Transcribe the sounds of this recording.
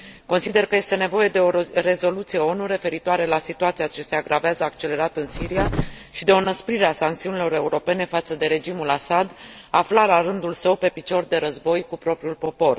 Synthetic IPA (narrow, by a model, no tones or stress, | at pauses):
ko̞nsid̪e̞rkəje̞st̪e̞ne̞vo̞je̞d̪e̞o̞ɾe̞zo̞lut̪sije̞o̞nuɾe̞fe̞ɾit̪uaɾe̞lasit̪uat̪siat͡ʃe̞seaɡɾʔaveazəakt͡ʃe̞le̞ɾat̪ɨnsiɾia | ʃid̪e̞o̞nəspɾiɾeasaŋkt̪siunilo̞ɾe̞uɾo̞pe̞ne̞fat̪səd̪e̞ɾe̞d͡ʒimulasad̪ | aflalaɾɨnd̪ulsəwpe̞pit͡ʃo̞rd̪e̞ɾəzbo̞jkupɾo̞pɾiulpo̞po̞r